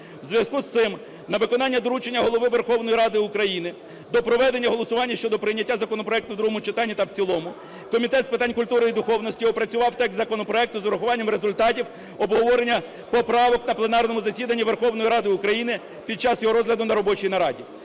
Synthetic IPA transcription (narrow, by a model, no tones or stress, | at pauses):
wzʲʋʲjɐskust̪sɪm | nɐʋɪkɔnɑnʲːɐd̪ɔɾut͡ʃenʲːɐɦɔlˠɔʋɪʋerxɔwn̪ɔjiɾɑd̪ɪʊkɾɐjinɪ | d̪ɔpɾɔʋɛd̪enʲːɐɦɔlˠɔsʊʋɑnʲːɐʃt͡ʃɔd̪ɔpɾɪjnʲːɐtʲːazɐkɔnɔpɾɔɛk̚t̪ʊd̪ɾuɦɔmʊt͡ʃɪt̪ɑnʲːit̪ɐwt͡sʲilˠɔmʊ | kɔmʲit̪ɛt̪spɪt̪ɑnʲkʊlʲt̪uɾɪid̪ʊxɔwnɔsʲtʲijɔpɾɐt͡sʲʊʋɑwt̪ɛk̪ʲzɐkɔnɔpɾɔɛk̚t̪ʊzɔɾɐxʊʋɑnʲːɐmɾezʊlʲt̪ɑtʲiw | ɔbɦɔʋɔɾenʲːɐ | pɔpɾɑʋɔknɐplˠenɑrnɔmʊzɐsʲid̪ɐnʲːiʋe̞rxɔwnɔjɾɑd̪ɪʊkɾɐjinɪ | pʲid̪̚t͡ʃɑsjɔɦɔɾɔzɦlʲɐd̪ʊnɐɾɔbɔt͡ʃijnɐɾɑdʲi